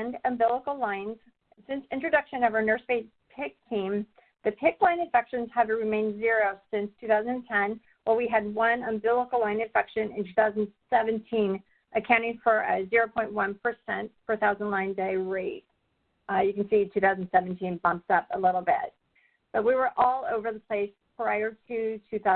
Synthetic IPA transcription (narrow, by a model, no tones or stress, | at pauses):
ndɨ̃mbɪlˠəkl̩ˠlãɪ̃nz̥ | sɪ̃nsɪ̃nt͡ʃɹ̥ɨdʌkʃɨ̃nʌvə˞nɜ˞sfeɪs̚ | pʰɪk̚tʰĩm | ðɨpʰɪklãɪ̃nɨ̃ɱfɛkʃɨ̃nz̥ɨvɹɨmẽɪ̃ndzɪɹoʊsɪ̃nstʰʉθaʊzɨ̃nɨ̃tʰɛ̃n | walˠwiɨd̚wʌ̃nə̃mbɪlˠəkl̩ˠlãɪ̃nɨ̃ɱfɛkʃɨ̃nɨ̃ntʰʉθaʊzn̩sɛṽntʰĩn | ʔɨkʰãʊ̃ĩŋfə˞ɨ̰zɪɹoʊpʰɔ̃ɪ̃nʔ̚wʌ̃npʰə˞sɛ̃ntfə˞ɨθaʊzn̩dˡlãɪ̃ndeɪɹeɪt̚ | jɨkn̩sitʰʉθaʊzn̩sɛvn̩tʰĩnbʌ̃mp̚tʌpəlɪɾl̩ˠbɪ̰t̚ | b̥ʌt̚wiwə˞ʔɔlˠoʊvə˞ðəpʰl̥eɪspʰɹaɪə˞tʰɨtʰʉθa